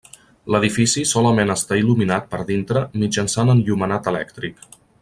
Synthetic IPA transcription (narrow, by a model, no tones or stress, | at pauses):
ləðifisisɔləmenəst̪ailuminat̪̚pəɾðint̪ɾəmid͡ʒənsanənʎumənat̪əlɛkt̪ɾik